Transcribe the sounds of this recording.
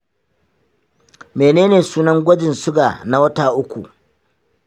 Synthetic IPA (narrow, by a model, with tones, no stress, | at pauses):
meː˨neː˦neː˨suː˦nɐ˦ŋɡʷɐ˦d͡ʒɪ˨nsʊ˦ɡa̰ː˨na˦wɐ˦ta˨ʔʊ˦kʷṵ˨